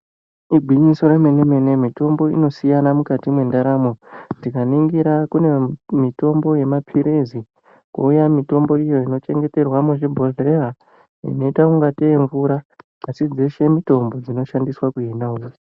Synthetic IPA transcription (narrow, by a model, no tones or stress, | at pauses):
iɡʱiɲisoɾemweneme̞ne̞mito̞mbo̞ḭno̞sijanamukatimwe̞ndaɾamo̞tikaniŋɡiɾakune̞mito̞mbo̞je̞mapʰiɾezi | kṵujamito̞mbo̞ijo̞ino̞t͡ʃe̞ŋɡe̞te̞rwamuʐibʱo̞ɮeɦa | ḭno̞itakuŋɡateiɱvuɾaː | sid͡zeʃe̞mito̞mbo̞d͡zino̞ʃandiswakuenaujo